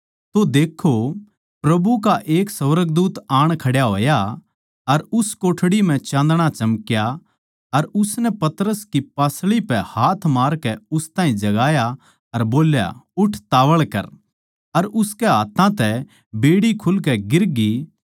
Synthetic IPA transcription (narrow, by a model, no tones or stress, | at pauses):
t̪od̪eːkʰo | pɾɐbukaʔeːksɐʋəɾəɡd̪uːt̪aːɽ̃kʰɐɽjaɦo̰ːja | ɐɾʊskoːʈʰɽim̤ɛ̃t͡ʃãːnd̪əɽ̃at͡ʃɐmkja | ɐɾʊsnɛpɐt̪əɾəskipaːsɭipɛhaːt̪ʰmaːɾkɛʊst̪ãːĩd͡ʒɐɡaːja | ɐɾboːlja̰ʊʈʰt̪aːʋəɭkɐ̰ɾ | ɐɾʊskɛɦaːt̪ʰãt̪ɛ | beːɽikʰʊlkɛɡɪɾɡi